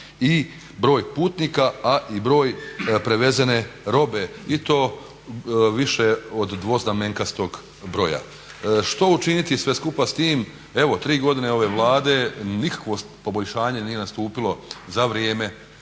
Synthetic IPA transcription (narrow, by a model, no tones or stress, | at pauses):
i | bɾo̞ːjpuːt̪niːkaaʔibɾo̞ːjpɾeʋe̞zene̞ɾo̞be̞it̪o̞ː | ʋiʃeod̪ːʋo̞znameŋkast̪o̞ɡ | bɾo̞ja̰ | ʃt̪o̞ut͡ʃinit̪isʋe̞skupast̪iːm | e̞ʋot̪ɾiːɡo̞d̪ine̞o̞ʋe̞ʋlˠaːd̪e̞nikḁkʋo̞ | po̞bo̞ʎʃaːɲe̞nijenast̪uːpilo̞zaʋɾjeːme̞